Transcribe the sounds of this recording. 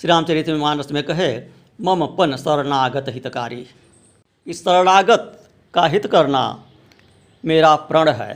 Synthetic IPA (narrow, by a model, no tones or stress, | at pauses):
ʃɪɾaːmt͡ʃəɾit̪memaːnəsmẽkɐɦe | mɐmpənsəɾnaːɡət̪ɦɪt̪ka̰ːɾiː | kisəɾnaːɡət̪ | kaɦɪt̪kɐɾna̰ | meːɾapɾəɽɦɛ̰ː